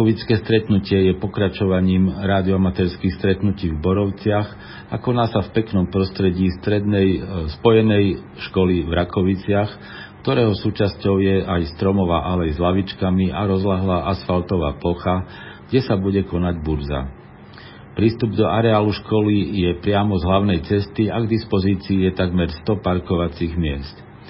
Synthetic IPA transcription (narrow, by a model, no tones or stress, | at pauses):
ɔʋit͡skɛːst̪ɾɛt̪nucɪɛjɛpɔkɾat͡ʃɔʋaɲiːmɾaːd̪iɔamat̪ɛːɾskixst̪ɾɛt̪nuciːvbɔɾɔʊt͡sɪax | akɔnaːsafpɛknɔmpɾɔst̪ɾɛɟiːst̪ɾɛd̪nɛjspɔjɛnɛj | ʃkɔlivɾakɔʋit͡sɪax | kt̪ɔɾɛːɦɔsuːt͡ʃascɔʊjɛʔajst̪ɾɔmɔʋa̰ːʔalɛjzlaʋit͡ʃkamiʔaɾɔzlaɦlaːʔasfalt̪ɔʋa̰ːplɔxa | ɡ̥ɟɛsabuɟɛkɔnaɟbuɾza̰ | pɾiːst̪ubd̪ɔʔaɾɛaːluʃkɔlijɛpɾɪamɔzɦlaʊnɛjt͡sɛst̪iaɡd̪ispɔziːt͡siːjɛt̪aɡmɛɾst̪ɔpaɾkɔʋat͡siɣmɪɛst̪